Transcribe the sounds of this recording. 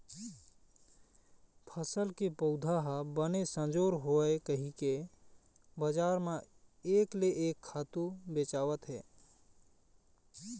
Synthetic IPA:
pʰəsəlkepəʊd̪ʱaɦbənesə̃nd͡ʒoːɾɦoekəɦike | bəd͡ʒaːɾmẽ | eːkleʔeːkʰːaːt̪ubeːt͡ʃaːwət̪ɦɛː

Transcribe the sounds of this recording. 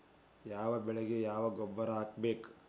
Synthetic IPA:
jaːʋɐbɛɭeɡejaːʋɐɡɔbːɐɾɐaːkbeːk

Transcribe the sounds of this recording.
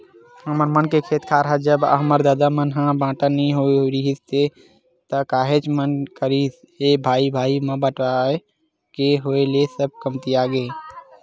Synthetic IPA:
ɦəməɾmənkekʰet̪kʰaɾɦəd͡ʒəbɦəməɾd̪aːd̪amənɦãbãʈənɛɦoɾiɦist̪e | t̪əkaːɦet͡ʃmənkəɾis | ebʱaːibʱaːimẽbəʈae | keɦoelesəb̚ʱkəmt̪iaɡe

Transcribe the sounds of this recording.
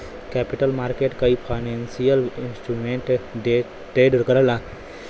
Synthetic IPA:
kɛpiʈəlmaːɾkeʈkaipʰanɛ̃nsijəlinsʈɾumeɳʈɖe | ʈɾeɖɾkəɾəla

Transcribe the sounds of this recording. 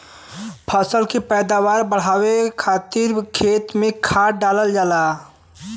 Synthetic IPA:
pʰəsəlkepɛːd̪aːʋaːɾbəɽ̤aːwekʰaːt̪ɪɾkʰeːt̪mẽkʰaːɖaːləld͡ʒaːlaː

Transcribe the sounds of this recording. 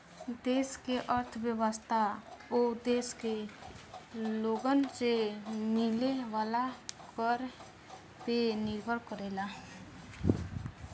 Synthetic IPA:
d̪eːskeʔəɾt̪ʰbjəwəst̪ʰaod̪eːske | loːɡənsemileʋaːlakəɾ | penɪɾɡʱəɽkəɾela

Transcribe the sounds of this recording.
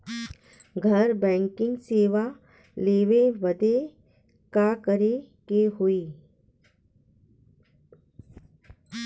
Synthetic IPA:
ɡʱɐɾbɛ̃ːŋkɪ̃ŋɡseːʋa | leːʋeʋəd̪e | kakəɾe | keɦoiː

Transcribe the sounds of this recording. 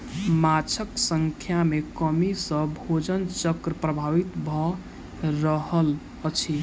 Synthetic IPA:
mat͡ʃʰəksəŋkʰjamekəmisə̃bʱod͡ʒənt͡ʃəkɾəpɾəbʱaʋit̪bʱɔ | ɾəɦəl | ət͡ʃʰi

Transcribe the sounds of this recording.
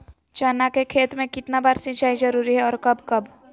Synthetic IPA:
t͡ʃaːnakekʰeːt̪mẽkɪt̪nabaːɾsɪ̃t͡ʃaːizɐɾuːɾiɦɛɔːɾkɐbkɐb

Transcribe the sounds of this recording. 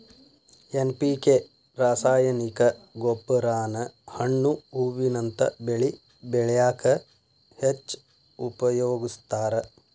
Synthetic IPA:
enpiːke | ɾaːsaːjɐnikɐɡopːɐɾaːnɐhɐɳːuuːʋinɐnt̪ɐ̰beɭi | beɭjaːkɐ | het͡ʃː | upɐjoːɡist̪aːɾɐ

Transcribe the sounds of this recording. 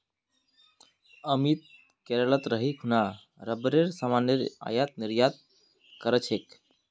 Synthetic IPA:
əmit̪̚ | keɾəɭət̪ɾəɦikʰɦuna | ɾəbɾeɾsamaneɾa̰jat̪̚niɾjat̪̚ | kəɾət͡ʃʰek

